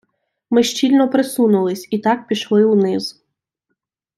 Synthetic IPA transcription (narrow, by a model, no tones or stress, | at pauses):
mɪʃt͡ʃilʲnɔpɾesunʊlˠɪsʲit̪ɑk̚pʲiʃlˠɪwnɪz